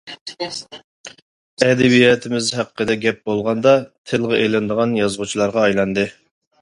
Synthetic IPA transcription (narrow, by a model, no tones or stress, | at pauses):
ɛd̪ɛbijɛt̪ʰɪmɪzhæqqːəd̪ɛɡʲɛp̚bolˠʁɑnd̪ɑt̪ʰɪlˠʁəʔelɪnd̪əʁɑnjɑzʁut͡ʃʰilˠɑɾʁɑːjlˠɑnd̪ɨ